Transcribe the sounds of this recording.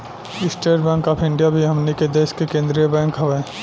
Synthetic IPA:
ɪsʈeɾbɛ̃ːŋkɔːpʰɪ̃ɳɖijabʱiɦɐmniked̪eːʃkekẽːnd̪ɾijəbɛ̃ːŋkɦɐʋɛː

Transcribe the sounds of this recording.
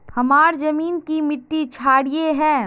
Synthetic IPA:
hɐmaːɾzɐmiːnkimɪʈːit͡ʃʰaːɽieɦɛ̃ː

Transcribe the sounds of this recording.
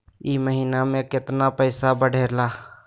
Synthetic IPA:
iməɦiːnamẽkɪt̪napəɪsabəɽ̤ʱeːlaː

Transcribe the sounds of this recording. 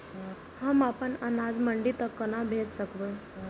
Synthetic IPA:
həmapəɳənad͡zməɳɖit̪əkːənabʱet̪səkʋə

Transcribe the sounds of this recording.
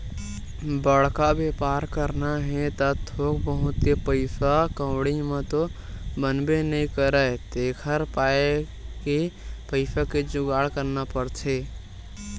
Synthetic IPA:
bəɽkabepaɾkəɾnaɦɛ̃t̪ət̪ʰokbəɦũt̪jepəɪsʰakə̃wɽimə̃t̪o | bənbenəĩkəɾəjt̪ekʰəɾpae | kepəɪpʰaked͡ʒʊɡaɽkəɾnapəɾt͡ʃʰe

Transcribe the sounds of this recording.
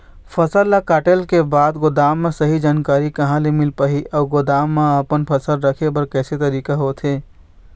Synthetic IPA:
pʰəsəɾːəkaːʈelkebaːd̪ɡod̪aːmːesəɦid͡ʒaːnkaːɾikəɦãlemilpəɦiʔɔːɡod̪aːmːeəpənpʰəsəlɾəkʰebəɾkɛːset̪əɾiːkaɦot̪ʰe

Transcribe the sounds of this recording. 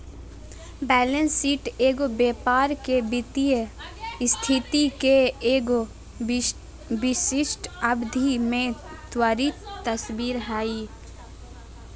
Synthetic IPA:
bɛːlənsːiːʈeːɡobeːpaːɾkebɪt̪ijəst̪ʰɪt̪ikeeːɡo | bɪʃɪʃʈəbd̪ʱimẽ | t̪waːɾit̪əsbiːɾɦaːi

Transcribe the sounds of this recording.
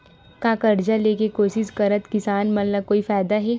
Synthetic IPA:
kaːkɐɾd͡ʒaleːkekoːsɪʃkɐɾət̪kɪsaːnmɐt̪ləb̚koːifaːjd̪aɦɛː

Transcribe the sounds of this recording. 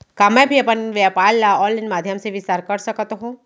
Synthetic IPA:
kaːmɛ̃bʱiɐpənʋjapaːɾlaɔːlɪnmaːd̪ʱjəmseʋɪst̪aːɾkɐɾsɐkət̪ɦũː

